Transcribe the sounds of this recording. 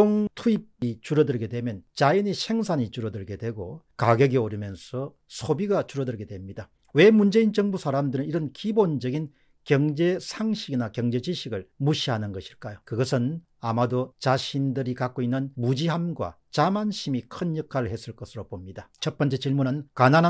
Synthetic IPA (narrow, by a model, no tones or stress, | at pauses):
oŋtʰuip̚it͡ɕuɾʌdɯɭɡe̞dwe̞mjʌnt͡ɕaiɲisʰe̞ŋsʰaɲit͡ɕuɾʌdɯɭɡe̞dwe̞ɡo | kaɡjʌɡioɾjɯmjʌnsʰʌ | sʰobiɡat͡ɕuɾʌdɯɭɡe̞dwe̞mɲida | we̞mund͡ʑe̞int͡ɕʌŋbusʰaɾamdɯɾɯniɾʌnkibond͡ʑʌɡin | kjʌŋd͡ʑe̞sʰaŋɕʰiɡinakjʌŋd͡ʑe̞d͡ʑiɕʰiɡɯɭmuɕʰiɦanɯnɡʌɕʰiɭk͈ajokɯɡʌsʰɯn | amadot͡ɕaɕʰindɯɾikak͈oinːɯnmud͡ʑiɦamɡwa̰ | t͡ɕamanɕʰimikʰɯnjʌkʰaɾɯɭhe̞s͈ɯɭk͈ʌsʰɯɾopomɲidat͡ɕʰʌt̚p͈ʌnt͡ɕ͈e̞t͡ɕiɭmunɯnkanana